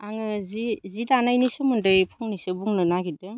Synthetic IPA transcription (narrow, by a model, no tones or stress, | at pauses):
aŋɯzizidanajnisɯmɯndɯjpʰuŋnisɯbuŋnɯnaɡidɯ